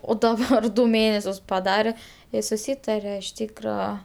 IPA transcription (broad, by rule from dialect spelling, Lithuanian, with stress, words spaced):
oː dɐˈbɐr dʊ ˈmʲeːnʲɛsʲʊs pɐˈdɑːrʲɛ joː sʊˈsʲiːtɐrʲoː ɪʃ ˈtʲiːkrɐ